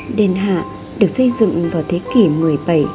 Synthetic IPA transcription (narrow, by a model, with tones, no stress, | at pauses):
ɗe˨˩nɦa̰ː˧˨ | ɗɨ˨˩ək̚sə˧jzɨ̰˧˨ŋvaː˨˩wt̪ʰe˨˦ki˧˩nɨ˧˩əjɓa˧˩j